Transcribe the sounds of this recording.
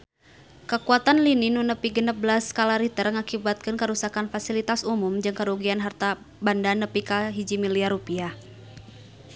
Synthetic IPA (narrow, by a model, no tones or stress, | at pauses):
kəkuat̪anlininunəpiɡənəp̚blaskalaɾit̪ərŋakibat̪̚kɨnkəɾusakanfasilit̪asumumd͡ʒɨŋkəɾuɡianɦart̪a | bandanːəpikaɦid͡ʒimiliaɾupia